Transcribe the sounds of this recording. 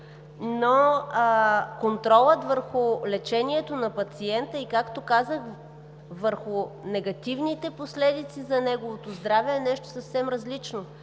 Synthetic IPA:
no | kont̪ɾɔlˠət̪vəɾxʊlɛt͡ʃɛniɛt̪onɐpɐt̪siɛnt̪əikakt̪okazəx | vəɾxʊnɛɡɐt̪ivnit̪ɛposlɛd̪it̪sizɐnɛɡovot̪ozd̪ɾavɛɛnɛʃt̪o̥sɐfsɛmɾɐzlit͡ʃno

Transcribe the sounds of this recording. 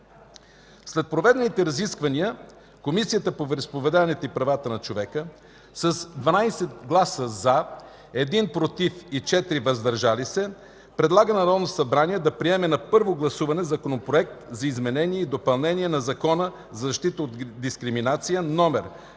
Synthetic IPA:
slɛt̪̚pɾovɛd̪ɛnit̪ɛɾɐziskvɐniə | komisijət̪əpovɾɛspovɛd̪avɐnɛt̪oipɾɐvat̪ənɐt͡ʃovɛkə | sɐsd̪vɐnajsɛt̪ɡlˠasəza | ɛd̪inpɾot̪ifit͡ʃɛt̪ɾivɐzd̪ɐɾʒalisɛ | pɾɛd̪lˠaɡənɐɾɔd̪nosɐbɾaniɛd̪ɐpɾiɛmɛnɐpɤɾvoɡlˠɐsuvɐnɛzɐkonopɾoɛk̚t̪zɐizmɛnɛniɛid̪opɐlˠnɛniɛnɐzɐkɔnə | zɐzɐʃt̪it̪əod̪d̪iskɾiminat̪sijənɔmɛɾ

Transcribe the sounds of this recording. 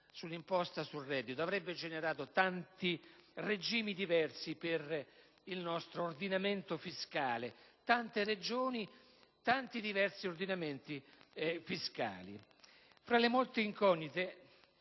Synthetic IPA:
sulːimpɔst̪asulrːɛːd̪ːit̪oavɾɛbːed͡ʒɛneɾaːt̪ot̪ant̪ired͡ʒiːmid̪ivɛrsiper | ilnɔst̪ɾoːrd̪inament̪ofiskaːlet̪ant̪ered͡ʒoːni | t̪ant̪id̪ivɛrsiord̪inament̪ifiska̰ːlḭ | fɾalemolt̪eiŋkɔnːit̪e

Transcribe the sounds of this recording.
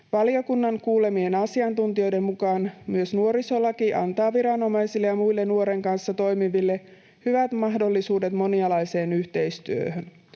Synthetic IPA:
ʋɑlio̞kunːɑŋkuːle̞mienɑsiɑnt̪unt̪io̞jde̞mmukɑːnmyøsnuo̞ɾiso̞lɑkiʔɑ̰nt̪ɑːʋiɾɑno̞mɑjsilːejɑmujlːenuo̞ɾe̞ŋkɑnsːɑt̪o̞jmiʋilːe̞ | hyʋæt̪mɑɦdo̞lːisuːde̞t̪mo̞njɑlɑjse̞ːnyht̪e̞jst̪yø̰høn

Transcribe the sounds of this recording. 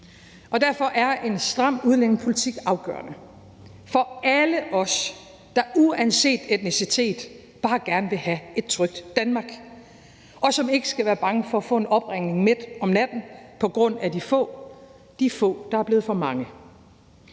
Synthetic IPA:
ʔɒ̽d̥æɐfɒ̽ʔæɐe̝nsd̥ʁɑ̈m̰uð̞ˠlen̰n̩pʰo̝lit͡sʰiɡ̥ɑ̈ʊɡ̥ɶ̰ːɐ̰nə | fɒ̽æləʔɒ̽s | d̥ɑ̈uænse̝̰ːd̥ed̥nisit͡sʰe̝̰ːd̥ | b̥ɑ̈ːɡ̥æɐnəʋe̝ɦæe̝d̥̚t͡sʰʁœɡ̥̚d̥ːænmɑ̈ːɡ̥ | ʔɒ̽sɒ̽me̝ɡ̥əsɡ̥æʋæːɐb̥ɑ̈ŋəfɒ̽æfɔ̰̽e̝nɒ̽b̥ʁeŋ̰ne̝ŋmeð̥ˠɒ̽mnæd̥n̩ˠpʰɒ̽ɡ̥ʁɔ̽n̰æd̥ifɔ̰̽ː | d̥ifɔ̰̽ːd̥ɑ̈æɐb̥le̝ːð̩ˠfɒ̽mɑ̈ŋə

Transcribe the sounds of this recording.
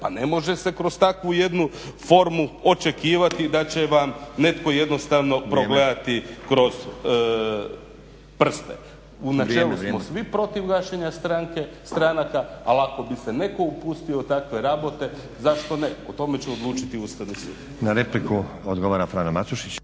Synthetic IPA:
pane̞mo̞ʒe̞se̞kɾo̞st̪akʋuje̞d̪nufo̞ɾmuo̞t͡ʃe̞kiːʋat̪id̪at͡ɕe̞ʋamne̞t̪ko̞je̞d̪no̞st̪aʋno̞pɾo̞ɡled̪at̪ikɾo̞z̥ | pr̩st̪ḛ | unat͡ʃelˠusmosʋipɾo̞t̪iʋɡaʃeɲast̪ɾaŋke̞st̪ɾanakaalako̞bise̞ne̞ko̞upust̪iot̪akʋe̞ɾabo̞t̪e̞ | zaʃt̪o̞ne̞ot̪o̞me̞t͡ɕeo̞d̪lˠuːt͡ʃit̪iust̪anusṵ | naɾepliku | od̪ɡoʋaɾafɾaːnomasuʃit͡ɕ

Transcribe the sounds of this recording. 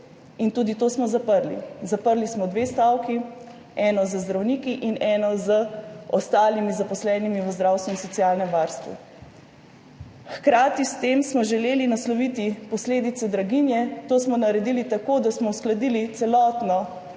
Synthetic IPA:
int̪ud̪it̪oːsmɔzapəɾlḭzapəɾlismɔd̪ʋest̪awki | ɛːnɔzəzd̪ɾawniːkiʔinɛːnɔzəɔst̪aːlimizapɔslɛːnimiʋəzd̪ɾaːwst̪ʋuinsɔt̪sijalnɛmʋaːɾst̪ʋṵ | xkɾaːt̪ist̪eːmsmɔʒɛleːlinaslɔʋit̪ipɔsleːd̪it̪sɛd̪ɾaɡinjɛt̪oːsmɔnaɾɛd̪ilit̪akoːd̪asmɔusklad̪ilit̪sɛlɔːt̪nɔ

